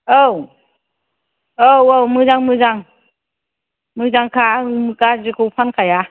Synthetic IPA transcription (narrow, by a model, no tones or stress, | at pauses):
ow | owowmɯzaŋmɯzaŋ | mɯzaŋkʰamɯkazikʰɯwpʰankʰaja